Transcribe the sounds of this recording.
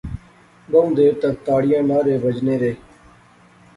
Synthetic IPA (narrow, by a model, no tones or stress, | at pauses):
ɡəũd̪eːɾt̪ək̚t̪aːɽɪjãːnaːɾeːbəd͡ʒneːɾeː